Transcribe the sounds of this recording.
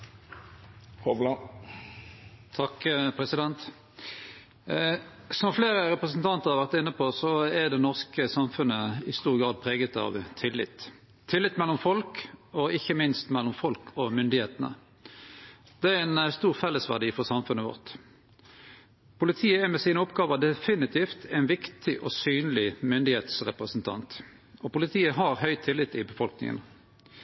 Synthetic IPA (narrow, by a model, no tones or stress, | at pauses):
hɔʋlɑ | t̪ʰɑkpʰʁɛsɪd̪ɛnt̪ | sɔmfleːʁəʁɛpʁəsənt̪ʰɑnt̪əʁhɑʁʋæʁt̪ɪnːəpʰɔsɔɛʁd̪ɛnɔʁskəsɑmfʉnəɪst̪uːʁɡʁɑːd̪̚pʰʁeːɡət̪ɑ̰ʋt̪ʰɪlːɪ̰t̪ʰː | ɪlɪt̪ːmɛlːɔmfɔlkɔɪçːəmɪnst̪mɛlːɔmfɔlkʰɔmʏnd̪ɪheːt̪ənə̰ | d̪̥ɛæʁɛnst̪uːʁfɛlːəsʋæ̰ʁɖiːfɔʁsɑmfʉnːəʋɔ̰ʁt̪ | pʰʊlɪt̪ʰiːəæmɛsiːnəʊpɡɑːʋəʁd̪ɛfɪnɪt̪ʰiːft̪ʰɛɪnʋɪkt̪ʰɪʔɔsyːnlɪmʏnd̪ɪheːt̪sʁɛ̰pʁəsnt̪ʰɑ̰nt̪ | ɔpʊlɪt̪ʰiːəɦɑʁɦœʏt̪ʰɪlːɪt̪ːɪbəfɔlknɪ̰ŋə̰n